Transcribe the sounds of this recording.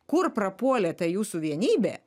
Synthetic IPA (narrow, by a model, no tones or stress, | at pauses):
kʊrpɾɐpuɔlʲet̪ɐjuːsʊʋʲiɛnʲiːbʲḛː